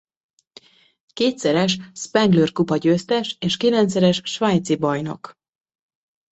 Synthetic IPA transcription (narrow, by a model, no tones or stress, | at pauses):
keːt̪sɛɾɛʃspɛŋɡløːrkupɒɟøːst̪ɛʃeːʃkilɛnt̪sɛɾɛʃʃʋaːjt̪sibɒjno̞̰k